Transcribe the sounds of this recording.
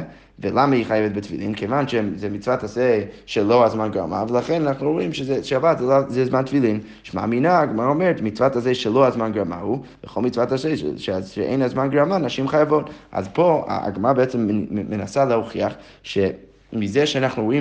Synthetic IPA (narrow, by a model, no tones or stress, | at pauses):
velˠamahiχajɛvɛt̚bətfḭlˠimkʰevanʃɛzɛmit͡svataseʃɛlˠoazmanɡɾa̰ma̰vəlˠaχɛnanaχnuuimʃɛzɛʃabatzɛazɛzmantfilˠim | ʃma̰ːminaːɡmaɾaɔmɛɾətmit͡svatazeʃɛlˠoazmanɡɾama̰hubəχolˠmit͡svatasḛʃʃɛʔḛɪ̃nazmanɡɾamanaʃimχajavota̰zpʰoa̰a̰ɡmaɾabeɛt͡sɛmmenasalˠəuχiaχ | ʃɛ | mizɛʃɛanaχnuɾui